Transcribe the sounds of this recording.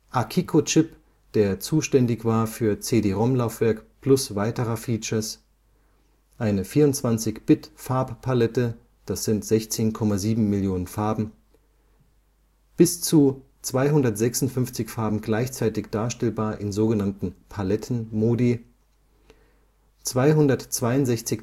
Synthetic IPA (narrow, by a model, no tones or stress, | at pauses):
ʔakʰikʰot͡ʃɪp | d̥eːɐt͡suːʃtɛndɪçv̥aːɐfyːɐt͡seːdeːʁɔmlaʊfv̥ɛɐkpl̥ʊsv̥aɪtəʁɐfiːt͡ʃɐs | ʔaɪnəfiːɐʁʊntt͡sv̥ant͡sɪçb̥ɪtfaɐppʰalɛtə | d̥asz̥ɪntz̥ɛçt͡seːnkʰɔmaziːbm̩mɪljoːnənfaɐbm̩ | b̥ɪst͡su | t͡sv̥aɪɦʊndɐtz̥ɛksʊn̩tfʏnft͡sɪçfaɐbm̩ɡlaɪçt͡saɪtɪçd̥aːɐʃtɛlbaːɐʔɪnzoːɡənantn̩pʰalɛtʰn̩moːdi | t͡sv̥aɪɦʊndɐtt͡sv̥aɪʊntz̥ɛçt͡sɪç